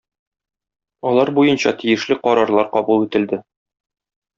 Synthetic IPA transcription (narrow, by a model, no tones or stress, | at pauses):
ɒlˠɑɾbujɤnɕɑt̪ijɘ̆ʃlɘqɒɾɑɾlˠɑɾqɒbulˠit̪ɘ̆ld̪ɘ